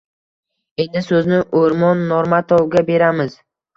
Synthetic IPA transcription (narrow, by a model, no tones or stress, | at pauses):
e̞nd̪ɪsɵznɪʔoɾmɒnːɒɾmat̪ʰɒwɡʲabe̞ɾamɪz